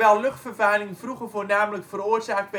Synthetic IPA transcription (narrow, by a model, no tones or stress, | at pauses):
ɛːlˠlɵχtfərvɛːlɪŋfruχəfoːrnaːmələkfəruərzaːk̚bɛ